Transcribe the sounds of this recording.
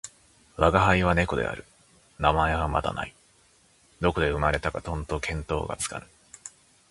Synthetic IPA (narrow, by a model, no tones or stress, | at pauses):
βaɡaɦaiβ̞ane̞ko̞d̪e̞̰a̰ɾɯ̟ | namae̞βama̰d̪a̰na̰i | d̪o̞ko̞d̪e̞ɯ̟maɾe̞t̪akat̪õ̞nt̪okʰẽ̞nt̪o̞̰ːɡa̰t͡sɨ̥ka̰nɯ